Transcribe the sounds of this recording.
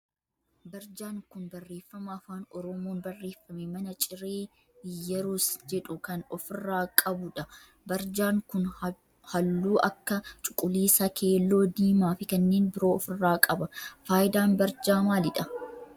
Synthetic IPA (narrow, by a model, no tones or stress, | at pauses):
bɐɾd͡ʒaːŋkʊnbɐrːeːfːɐmaːfaːnɔɾɔmoːnbɐrːe̞ːfːɐmemɐnɐt͡ʃʼɪɾeː | jːɐɾuːsd͡ʒɛᶑʊkɐnɔfɪrːaːkʼɐbʊᶑɐ | bɐɾd͡ʒaːŋkʊn | hɐlːuːʔɐkːɐt͡ʃʼʊkʼʊliːsɐkʰe̞ːlːo̞ːd̪iːmaːfɪkɐnːe̞ːnbɪɾo̞ːɔfɪrːaːkʼɐbɐfaːjɪd̪aːnbɐɾd͡ʒaːmaːlɪᶑɐ